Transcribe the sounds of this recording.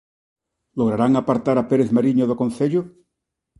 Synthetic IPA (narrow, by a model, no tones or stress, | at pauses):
loɣɾaɾaŋapaɾt̪aɾapeɾeθmaɾiɲoðokonθeʎo